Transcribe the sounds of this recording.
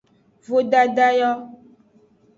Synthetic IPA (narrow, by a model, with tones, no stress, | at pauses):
vo˦ɖa˦ɖa˦jɔ˦